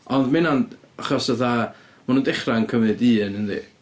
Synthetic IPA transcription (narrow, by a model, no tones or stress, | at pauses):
ɔndmɪnan | aχɔsəθa | manundɪχrankʰəmɨdiːnənðḭ